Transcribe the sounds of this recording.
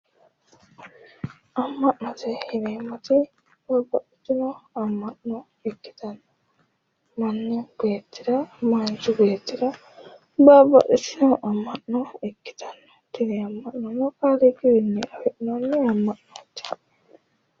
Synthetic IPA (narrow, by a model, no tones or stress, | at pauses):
ʔɐmːɐʔnɔt̪ɛhɪmeːmːɐt̪ɪ | baːbːɐʔɪt̪ːɪnɔɐmːɐʔnɔ | ɛkːɪ̥t̪ɐnːɔ | mɐnːɛbeːt̪ːɪd̪ɐmaːnt͡ʃːʊbe̞ːt̪ːɪd̪ɐ | baːbːɐ̰ʔɪt̪ːɪnɔʔɐmːɐʔnɔɛkːɪ̥t̪ɐ̥nːɔ̥t̪ɪnɛɐmːɐʔnɔnːɔkaːlɛɡɪwɪnːɛɐfɛʔɪnonːɛɐmːɐʔnoːt̪ːɪ̥